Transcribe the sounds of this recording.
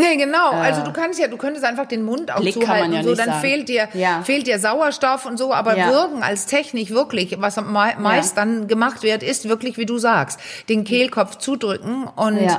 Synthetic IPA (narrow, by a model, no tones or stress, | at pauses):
nəɡənaʊʔalzoduːkʰanstjaːduːkʰœntəstʔaɪnfaχd̥eːnmʊntʔa̰ʊxt͡suːhaltn̩z̥oːdanfeːlt̚d̥iːɐfeːlt̚d̥iːɐzaʊɐʃtɔfʊntz̥oːʔa̰ːbɐvɪɐkŋ̩a̰lstʰɛçnɪçv̥ɪɐklɪçvasaɪmaɪstd̥anɡəmaχtv̥eːɐtɪstv̥ɪɐklɪçv̥iːduːzaːkstd̥eːnkʰeːlkʰɔft͡suːdʁʏkŋ̩ʔʊnt